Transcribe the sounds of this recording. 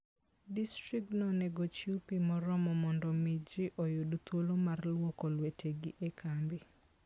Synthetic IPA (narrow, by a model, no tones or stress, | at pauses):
distɾik̚tnɔneɡot͡ʃiupimɔɾɔmɔmɔndɔmid͡ʒɪʔojodot̪wolomarlwokolwetʰeɡɪʔekʰambɪ